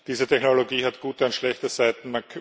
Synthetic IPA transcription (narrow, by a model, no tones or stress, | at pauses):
d̥iːzətʰɛçnoloɡiːɦatɡ̥uːtaɪnʃlɛçtəszaɪtn̩mankʰ